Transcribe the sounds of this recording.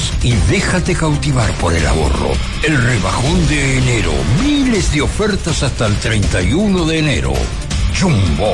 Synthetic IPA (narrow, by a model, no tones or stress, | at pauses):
s | iðe̞xat̪ekawt̪iβaɾpo̞ɾḛla̰βo̞̰ro̞̰ | elreβaxo̞nd̪eːneɾo̰mile̞zðeo̞feɾt̪asast̪aelt̪ɾejnt̪ajunoðe̞ːne̞̰ɾo̰ | d͡ʒumbo